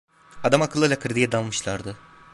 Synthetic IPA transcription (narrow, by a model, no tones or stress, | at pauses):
ad̪amakʰɯlˠːɯjlʲˠakʰɯɾd̪ijɛd̪anˠmɯʃlˠaɾd̪ɯ